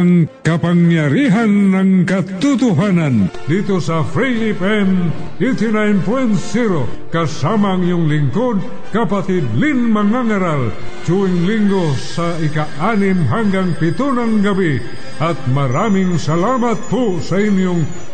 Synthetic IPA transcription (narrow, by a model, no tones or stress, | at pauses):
aŋkapaŋjaɾiɦanːaŋkat̪ut̪uɦanand̪it̪osafɾiipɛn | et̪inajnpwɛnsiɾokasamaŋjʊŋliŋkod̪̚ | kapat̪ɪd̪linmaŋaŋaɾal | t͡ʃuiŋliŋɡo | sa | ikaʔanimɦaŋɡaŋpit̪unanɡabi | at̪̚maɾamɪŋsalamat̪̚pusainjʊŋ